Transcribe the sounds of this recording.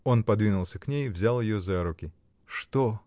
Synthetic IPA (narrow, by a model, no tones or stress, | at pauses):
o̞npɐd̪vʲinʊlˠsʲəknʲejvzʲalˠjɪjozaɾʊkʲɪ | ʂt̪o